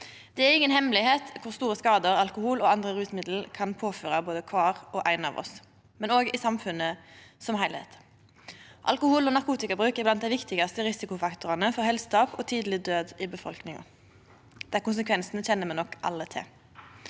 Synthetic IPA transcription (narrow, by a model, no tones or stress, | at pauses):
d̪̥ɛæɾɪŋːənhɛmlɪheːt̪kʰʊʁst̪uːʁəskɑːd̪əʁɑlkʊhuːlɔɑnd̪ʁəɾʉːsmɪd̪l̩kʰɑnpʰoːføːʁɑboːd̪əkʰʋɑːʁɔʔæɪnɑ̰ːʋɔ̰s | mɛnoːɡɪsɑmfʉnːəsɔmhæɪlhḛːt̪ | ʔɑ̰lkʊhuːlɔnɑʁkʰuːt̪ɪkɑbʁʉːkɪblɑnt̪̚d̪æɪʋɪkt̪ɪɡɑst̪əʁɪsɪkʊfɑkt̪ʊʁɑnəfɔʁhɛlst̪ɑːpɔt̪ʰiːd̪lɪd̪øːd̪ɪbəfɔ̰lknɪŋɑ̰ | d̪̥ɛækʊns̬əkʰʋɛnsnəçɛnːəmɛnɔkːʔɑ̰lːət̪ʰɪ̰